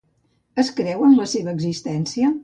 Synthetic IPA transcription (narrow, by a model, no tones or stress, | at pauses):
əskɾɛwənləseβəːɡzist̪ɛnsiə